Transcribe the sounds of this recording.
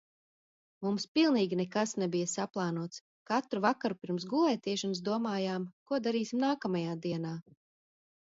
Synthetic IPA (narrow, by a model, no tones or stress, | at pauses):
mumspilˠniːɡʲinɛkasnɛbijɐsaplˠaːnuɔt̪s | kat̪ɾuvakaɾupiɾms̬ɡulˠɛjt̪iɛʃɔns̬d̪uɔmaːjaːmkuɔd̪aɾiːsimnaːkamajaːd̪iɛnaː